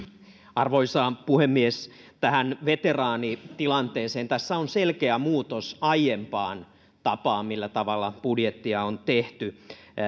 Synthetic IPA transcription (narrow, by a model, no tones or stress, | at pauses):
ɑrʋoisɑːpuhemːies | t̪æhænʋet̪erɑːnit̪ilɑnt̪eːseːnt̪æsːæonselkeæmuːt̪osɑjjempɑːn | t̪ɑpɑːmmilːæt̪ɑʋɑlːɑpudjet̪ːiɑont̪eht̪y